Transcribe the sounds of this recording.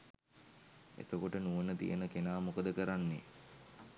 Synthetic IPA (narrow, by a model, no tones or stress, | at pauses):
ḛt̪əkoʈənuʋənət̪ḭjənəkenaːmukəd̪əkəɾanːe